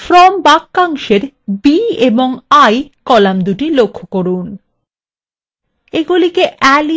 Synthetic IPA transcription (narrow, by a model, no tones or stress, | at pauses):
fɾɔmbakːaŋʃeɾ | bieboŋajkɔlamd̪uʈilokʰːokoɾun | eɡulikeʔɛli